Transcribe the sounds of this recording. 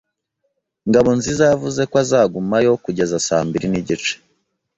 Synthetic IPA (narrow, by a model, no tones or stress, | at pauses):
ŋɡaβo̞nzizavuze̞kwazaːɡumajo̞kuɟe̞zasaːmbiɾiniɟit͡ʃe̥